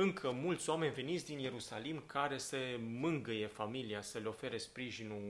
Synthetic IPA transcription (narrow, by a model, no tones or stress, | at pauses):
ɨŋkʰəmult̪sʲoame̞nʲve̞nit̪sʲd̪inje̞ɾusalimkʰaɾe̞səmɨŋɡəjefamiliasəleo̞fe̞ɾespɾiʒinu